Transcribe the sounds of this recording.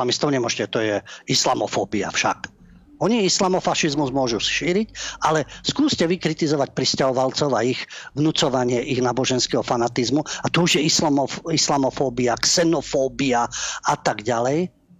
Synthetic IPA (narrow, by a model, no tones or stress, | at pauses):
amist̪ɔʊɲɛmʊɔʒʃcɛt̪ɔjɛislamɔfɔːbia̰fʃa̰k | ɔɲiislamɔfaʃizmuzmʊɔʒusʃiːɾicʔalɛskuːscɛʋikɾit̪izɔʋac̚pɾiscaɦɔʋalt͡sɔʊaiɣʋnut͡sɔʋaɲɪɛʔiɣnaːbɔʒɛnskɛɦɔfanat̪izmuat̪ɔuʒjɛisislamɔfɔːbiaksɛnɔfɔːbiaat̪aɡɟalɛj